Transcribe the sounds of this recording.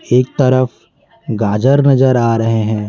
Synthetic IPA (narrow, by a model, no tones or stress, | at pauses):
eːk̚t̪ɐɾəf | ɡaːd͡ʒəɾnɐzəɾaːɾɐɦeɦɛ̃ː